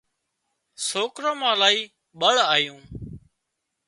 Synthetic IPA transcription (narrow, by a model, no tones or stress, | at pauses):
soːkɾõːmãːlaːiː | ɓəɭaːjũː